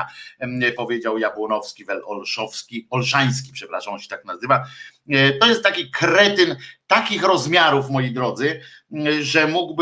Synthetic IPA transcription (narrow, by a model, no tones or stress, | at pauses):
apɔvʲjed͡ʑawjapɔnɔfskʲivɛlɔlʂɔfskʲiɔlʂaj̃s̬kʲi̥pʂɛpɾaʂamɔ̃ɕɛ̥t̪aknazɘva | t̪ɔjɛst̪t̪ːakʲikɾɛt̪ɘnt̪akʲixɾɔzmʲjaɾufmɔjijd̪ɾɔd̪zɘ | ʐɛmuɡb